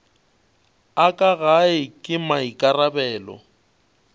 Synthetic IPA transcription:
akʼaɣaɪkʼɪmaikʼarabɛːlɔ̰

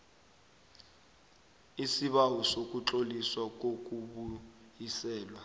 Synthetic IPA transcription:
isiɓawɔsok̬ʼuǁoliswak̬ʼok̬ʼuɓu | jisɛːlwa

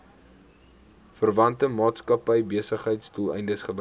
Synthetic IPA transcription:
fərvɐntəmɑːtskɐpəjbiəsəχɦəjtstulˠɛ̰jndəsχəb

